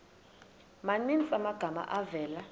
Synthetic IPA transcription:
manint͡sʼamaɡ̥ʱama̰ʔavɛːla

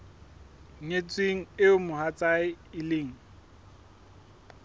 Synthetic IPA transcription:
ŋet͡sʼweŋ̩ɪʊmʊhat͡sʼaɪɪleːŋ̩

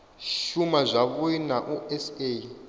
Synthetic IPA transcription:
ʃumazʷaβuinaʔuɛse

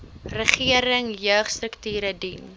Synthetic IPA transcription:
rəχiəɾəŋjœːχstrəktyːɾədin

